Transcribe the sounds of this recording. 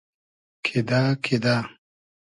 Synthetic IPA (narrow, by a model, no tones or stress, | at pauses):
kʰid̪akʰid̪aː